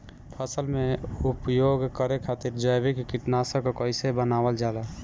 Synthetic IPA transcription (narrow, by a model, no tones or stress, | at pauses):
pʰəsəlmeupjoɡkəɾekʰaːt̪iɾd͡ʒəjbikkɪʈnasəkokɔɪsebənaːwəld͡ʒaːla